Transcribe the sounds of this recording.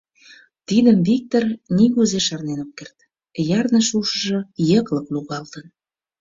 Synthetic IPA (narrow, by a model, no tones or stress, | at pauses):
t̪id̪əmvik̚t̪orniɣuzeʃɑrnenop̚kert̪ | jɑrnəʃuʃə̆ʒɤ̆jəkləkluɣɑlt̪ən